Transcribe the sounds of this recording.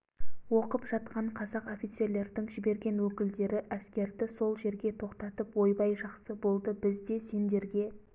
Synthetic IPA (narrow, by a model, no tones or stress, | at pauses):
wo̞qəpʒ̥ɑt̪qɑɴqʰɑzɑqo̞fit̪se̞ɾle̞ɾd̪ɪŋʒɪbe̞ɾɡʲe̞nwɵkʲɪld̪e̞ɾɪʔæskʲe̞ɾd̪ɪso̞lˠʒe̞ɾɡʲe̞t̪ʰo̞qt̪ɑt̪əpwo̞jbɑjʒɑqsəbo̞lˠd̪əbɪzd̪e̞se̞nd̪e̞ɾɡʲe̞